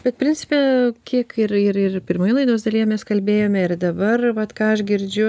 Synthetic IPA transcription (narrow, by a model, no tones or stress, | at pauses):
bʲɛt̪̚pʲɾʲɪnʲt͡sʲɪ̥pʲɛːkʲiɛkɪrɪrɪrpʲɪrmoːjɛlˠɐɪd̪oːsd̪ɐlʲijɛmʲɛskɐlʲbʲeːjoːmʲɛɪrd̪ɐbɐrʋɐt̪kɑːɐʃɡʲɪɾʲd͡ʒʲʊ